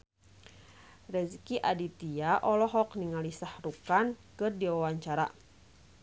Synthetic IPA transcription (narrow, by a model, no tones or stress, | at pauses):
rɛzikiʔadit̪iaʔɔlɔɦɔkniŋalisahrukankɨrdiwawaɲt͡ʃaɾa̰